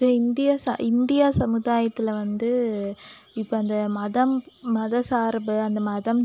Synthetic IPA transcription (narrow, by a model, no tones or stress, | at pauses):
peɪnd̪ɪjasɐ̰ʔɪnd̪ɪjaːsɐmɯðaːjɐt̪ːɪlɐʋɐnd̪ɯ | ɪpːoɐnd̪ɐmɐðɐmmɐðɐsaːɾɐbɯɐnd̪ɐmɐðɐm